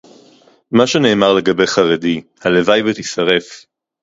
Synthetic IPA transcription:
maʃene̞ːmaʁle̞ɡabejχaʁedihalevajvet̪isɐʁe̞f

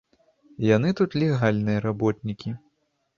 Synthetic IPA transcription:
janɨt̪ut̪lʲɛɣalʲnɨjɐɾabɔt̪̚nʲikʲi

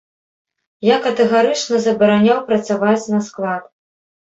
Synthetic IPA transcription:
jakɐt̪ɛɣaɾɨt͡ʂnɐzɐbɐɾanʲawpɾɐt̪savat͡sʲnɐsklˠat̪

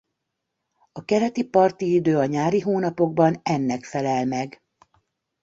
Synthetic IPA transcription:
ɒkɛɾɛt̪ipɒrt̪iid̪øːɒɲaːɾiɦoːnɒpo̞ɡ̚bɒnɛnːɛkfɛlɛlmɛɡ

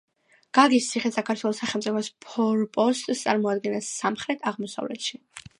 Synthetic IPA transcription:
ɡ̥aɡist̪sʰiχɛsakʰaɾt̪ʰwɛlˠɔsaχɛlˠmt̪ʼipʰɔspʰɔɾpʼɔst̪ʼst̪sʼaɾmɔad̪̚ɡɛnasːamχɾɛt̪ʰaʁmɔsa̰vlɛ̰t̪ʃi

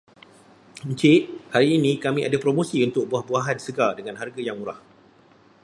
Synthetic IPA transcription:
ɲt͡ʃɪʔ̚haɾiːnĩkamĩʔa̰dapɾomõsiunt̪ʊk̚buahbuaɦanisəɡadəŋãnɦarɡajaŋmuɾah

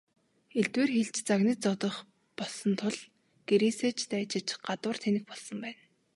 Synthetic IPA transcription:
eɮt̪weːrxeɮt͡ɕt͡saɣnĭt͡sɔt̪ɞ̆χ | pɔɮsɞ̆nt̪ʰʊɮ | ɡ̥eɾiːseːt͡ɕt̪æːt͡ɕɪ̆t͡ɕɢat̪wə̆r̥t̪ʰenɘ̆xpɔɮsɞ̆mpæːn

